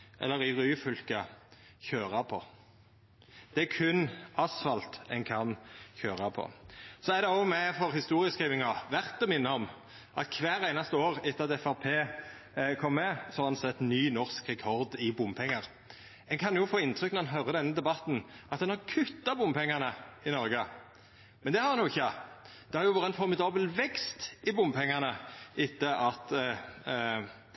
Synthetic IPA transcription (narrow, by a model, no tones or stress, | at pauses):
ʔɛ̰lːəʁɪʁyːfʏlkɑ | çøːɾɑpʰɔ | d̪̥ɛækʰʉnɑsfɑlt̪ɛŋkʰɑnçøːɾɑpʰɔ̰sɔæd̪ɛomɛfɔʁhɪst̪uːɾɪəskʁiːʋɪŋɑʋæʁt̪əmɪnːəɔm | ʔɑ̰t̪kʰʋæːɾæɪnɑst̪əoːʁɪt̪ːəɑt̪ɛfæʁpʰeː | kʰɔmːɛsɔhɑɾɛnsɛt̪ːnyːnɔʁskʁɛkʰɔɾd̪ɪbʊmpʰɛŋːɑʁ | ɛŋkʰɑnjʊfoːɪnt̪ʰɾʏknʁɛnɦœʁəd̪ɛnːəd̪ɛbɑt̪n̩ʔɑt̪d̪ɛnhɑʁkʰʉt̪ːɑbʊmpʰɛŋːɑʁnəɪnɔɾɡə | mɛnd̪ɛhɑʁɑnjʊɪçːə | d̪̥ɛhɑɾjʊʋɑːɾəɛnfɔɾmɪd̪ɑːbəlʋɛkst̪ɪbʊmːpʰɛŋːɑʁnəɪt̪ːəʔɑt̪